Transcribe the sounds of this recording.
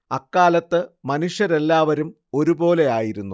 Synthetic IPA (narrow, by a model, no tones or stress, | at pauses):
ɐkːaːlɐt̪ːɨmɐnuʂjɐɾe̞lːaːʋɐɾum | o̞ɾubo̞ːle̞aːjiɾunːu